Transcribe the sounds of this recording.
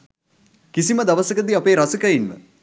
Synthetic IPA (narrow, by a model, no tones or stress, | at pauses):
kisiməd̪aʋəsəkəd̪iapeːɾasəkɐinʋə̰